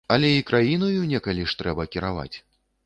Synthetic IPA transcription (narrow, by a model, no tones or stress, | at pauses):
ɐlʲɛikɾʔajinɐjunʲɛkalʲiʂt̪ɾɛbɐkʲiɾava̰t͡sʲ